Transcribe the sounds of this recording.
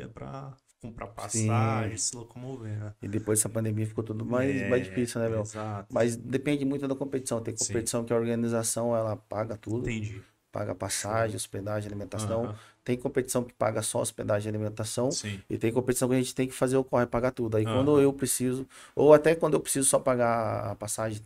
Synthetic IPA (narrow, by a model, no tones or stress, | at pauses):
iɐpɾɐ̰ | kõpɾapasĩaʒ̃slokomoveɪd̪epojzɛsɐpɐ̃nd̪ẽmiɐfi̥kot̪ud̪ʊmajsmajzd͡ʒifisiunɛvɛwzamɐzd̪epẽd͡ʒɪmũj̃t̪ʊd̪ɐkõpet͡ʃi̥sɐ̃w̃t̪ẽj̃kõpet͡ʃi̥sɐ̃w̃kɪɐoɾɡɐ̃nizasɐ̃w̃ɛlɐpaɡɐt̪ud̪ʊ̃d͡ʒi | pa̰ɡɐapasaʒẽosped̪aʒd͡ʒalimẽnt̪asɐ̃w̃t̪ẽj̃kõpet͡ʃi̥sɐ̃w̃kɪ̥pa̰ɡɐsɔosped̪aʒẽd͡ʒalimẽnt̪asɐ̃w̃ĩɪ̰t̪ẽj̃kõpet͡ʃi̥sɐ̃w̃kɪɐʒẽnt͡ʃɪ̥t̪ẽj̃kɪ̥fazeɾʊkohepaɡat̪ud̪ʊaikwɐ̃nd̪ʊewpɾesizʊ | oat̪ɛkwɐ̃nd̪ʊewpɾesizʊsɔpaɡa̰ːpasaʒẽj̃